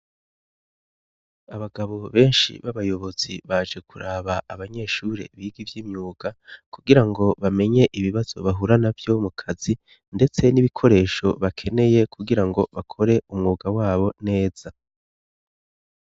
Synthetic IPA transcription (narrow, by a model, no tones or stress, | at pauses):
aβaɡaβo̞βe̞ːnʃḭβaβajo̞βo̞z̥iβad͡ʒe̞kʰuɾaβaaβaɲe̞ːʃuɾe̞̰βiːɡivjiːmɲuːɡakuɡiɾaŋɡo̞βame̞ɲe̞ʔiβiβaz̥o̞̰βaɦuɾanavjo̞mukʰazi | nde̞t͡se̞niβikʰo̞ɾe̞ːʃo̞βakʰe̞ne̞je̞kʰuɡiɾaŋɡo̞βakʰo̞ɾe̞ʔumŋuːɡawaːβo̞ne̞ːz̥a